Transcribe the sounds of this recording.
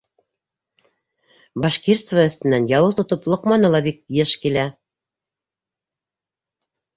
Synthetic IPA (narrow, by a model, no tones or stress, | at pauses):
bɑʃkiɾt̪svaɵ̆θt̪ɘ̆nːænjɑlˠɤlˠt̪ŏt̪ɤplˠŏqmɑnɤlˠɑbik̚jɘʃkilæ